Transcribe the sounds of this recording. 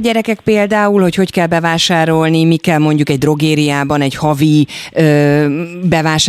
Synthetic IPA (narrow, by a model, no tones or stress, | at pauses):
ɟɛɾɛkɛk̚peːld̪aːulho̞cho̞ckɛlbɛvaːʃaːɾo̞lnimikɛlmo̞ɲɟukɛɟ̚d̪ro̞ɡeːɾijaːbɒnɛɟhɒvi | øː | bɛvaːʃ